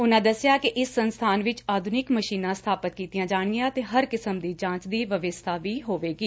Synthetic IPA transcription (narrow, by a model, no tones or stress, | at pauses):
ʊnãːd̪əsɪjaːkɪʔɪsːənst̪ʰaːnʋɪt͡ʃaːd̪ʱʊnɪkməʃiːnãːst̪ʰaːpət̪̚kiːt̪ijãːd͡ʒaːɳ̃ɡɪãːt̪eːɦəɾkɪsəmd̪iːd͡ʒãːt͡ʃd̪iːʋəʋɪst̪ʰaːʋiːɦoːʋeːɡiː